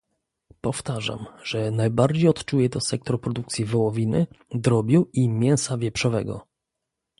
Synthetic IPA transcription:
pɔft̪aʐa̰mʐ̥ɛnajbaɾd͡ʑejɔt̪t͡ʂujɛt̪ɔsɛk̚t̪ɾɔpɾɔd̪ukt̪sʲjivɔwɔvʲinɘd̪ɾɔbʲjuimʲjɛw̃savʲjɛpʂɔvɛ̰ɡɔ̰

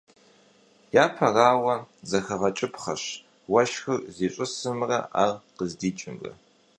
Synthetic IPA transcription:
jaːpʰɐraːwɐzɐxɐʁɐt͡ʃʼɪpχɐɕ | wɐʃxɨrziːɕʼɨsɨmrɐ̰ʔa̰ːrqəzdiːt͡ʃʼɪmrɐ̰

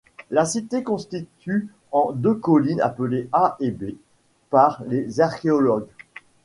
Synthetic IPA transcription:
lasit̪ekɔ̃st̪it̪y | ɑ̃d̪økɔlina̰pəleaʔebe | paʁlezaʁkʲeɔlɔɡ

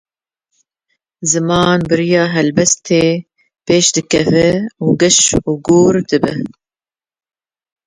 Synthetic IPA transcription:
zɨmɑːnbɨɾijɑːɦɛlbɛst̪ʰeː | peːʃd̪ɨkɛvɨuːɡɨʃuːɡuːɾd̪ɨbɨ̰

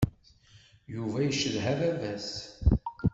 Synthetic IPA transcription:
juvæjəʃəðɦævævæs

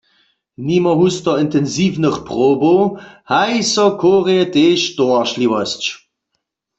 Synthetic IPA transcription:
nimɔɦustɔɪntɛnziːvnəχpʁoːbohajsɔkʰoːʁejɛteːʃtoaʃliwɔst͡ɕ

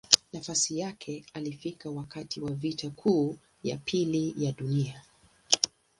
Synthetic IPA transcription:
nafasijakʰɛalifikawakatʰiwavitʰakʰuː | ja̰pʰilijaɗunia

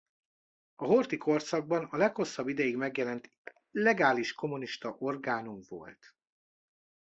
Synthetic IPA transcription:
ɒɦo̞rt̪ikʰo̞rt̪sɒɡ̚bɒnɒlɛkho̞sːɒbːid̪ɛjiɡmɛɡjɛlɛnt̪ | lɛɡaːliʃko̞muniʃt̪ɒʔo̞rɡaːnumvo̞̰lt̪

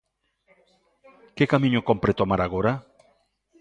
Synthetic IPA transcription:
kekamĩɲokompɾet̪omaɾaɣoɾa

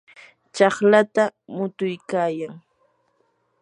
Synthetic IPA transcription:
t͡ʃɑχlat̪amʊt̪ʊjkaːjaŋ

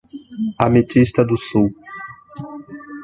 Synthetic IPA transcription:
amet͡ʃist̪ɐd̪ʊsuw

